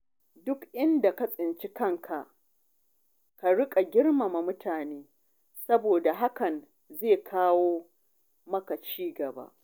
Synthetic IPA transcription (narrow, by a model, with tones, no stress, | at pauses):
dʊ˦kʔɪ˦nda˨ka˦sʼɪ˨nt͡ʃi˦kɐ˦ŋkʰa˨ʔ | ka˨ɽʊ˦kʼa˨ɡʲɪ˦ɽma˨ma˨mʊ˦tʰaː˨neː˦ | sɐ˦boː˨da˨ɦa˦kɐ˨n | zeː˦˨kʰaː˦woː˦ | mɐ˦ka˨t͡ʃiː˦ɡɐ˨ba̰˦ʔ